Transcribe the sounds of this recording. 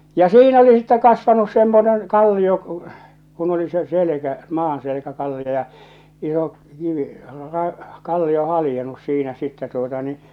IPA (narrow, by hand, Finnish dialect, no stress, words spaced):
jɑ siːn oli sitːɛ kɑsʋɑnus semːonen kɑlːio k̆ŭ kun oli se selĕkæ mɑːnselĕkæ kɑlːio jɑ iso kiʋi rɑ kɑlːio hɑlĭjenus siːnæ sitːæ tuotɑ ni